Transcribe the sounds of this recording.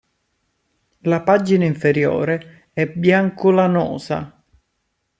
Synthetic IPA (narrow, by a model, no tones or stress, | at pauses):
lapad͡ʒinaiɱfeɾjo̰ːɾe | ɛbjaŋkʊlanɔ̰ːza̰